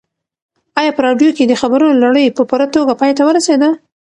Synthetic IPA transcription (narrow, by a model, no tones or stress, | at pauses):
ɑjɑpəɾɑɖjoked̪əxabaɾunolaɽəjpəpuɾat̪oɡapɑjt̪awəɾased̪a